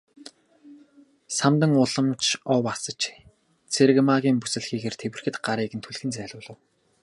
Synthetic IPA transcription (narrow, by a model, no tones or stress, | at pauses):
samt̪ə̆ŋʊɮə̆mt͡ɕʰɔwasə̆t͡ɕ | t͡sʰeɾ̆ɣmaɣʲiːmpusɘ̆ɮxiːɣeːrt̪ʰewɘ̆r̥xɘ̆t̪ɢaɾiːɣɘ̆nt̪ʰuɮxɘ̆nt͡sæːɮʲʊːɮə̆w